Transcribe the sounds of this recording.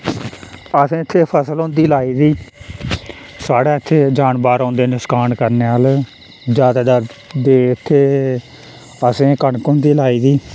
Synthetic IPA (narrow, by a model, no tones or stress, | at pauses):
əsẽːɪt̪ʰːeːpʰəsəlõːnd̪iːlaːiːd̪iː | saːɽaːɪt̪ʰːeːd͡ʒaːnbaːɾãːnd̪eːnɪskaːnkəɾneːaːl | d͡ʒjaːd̪aːd̪aɾd̪eːɪt̪ʰːeː | əsẽːkəɳkõːnd̪iːlaːiːd̪iː